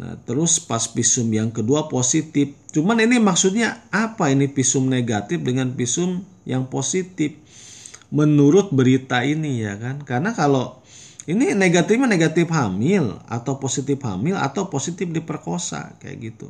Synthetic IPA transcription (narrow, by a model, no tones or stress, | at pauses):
na̰t̪əɾʊspaspisʊmjaŋkəduaposit̪ɪf̚t͡ʃumaninimaksut̪̚ɲaapainipisʊmneɡat̪ɪfdəŋanpisʊm | jaŋposit̪ɪf̚ | mənuɾʊt̪̚bəɾit̪ainijakankarənakalo | inineɡat̪ifɲaneɡat̪ɪfhamɪla̰t̪awposit̪ɪpha̰mɪla̰t̪awposit̪ɪf̚dipərkosa̰kaja̰ɡit̪ṵ